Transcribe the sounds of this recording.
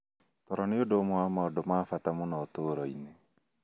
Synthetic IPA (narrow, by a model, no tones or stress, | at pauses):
tɔɾɔneodomwamaɔdomaːfatamonaːtoɾɔine